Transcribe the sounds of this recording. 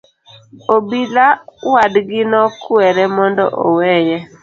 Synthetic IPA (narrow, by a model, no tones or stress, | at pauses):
obilawadɡɪnɔkwɛɾɛmɔndɔ̰ʔɔ̰wɛjɛ